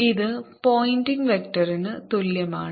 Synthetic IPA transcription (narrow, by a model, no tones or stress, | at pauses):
iðɨpoːjndiŋʋekʈɐrinɨt̪uljɐma̰ːɳ